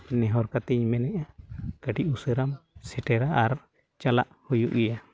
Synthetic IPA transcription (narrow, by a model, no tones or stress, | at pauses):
nɛɦɔɾkat̪iɲmɛnɛʔakəʈiʔusəɾamsɛʈɛɾaʔaɾ | t͡ʃala̰ʔhujṵʔɡija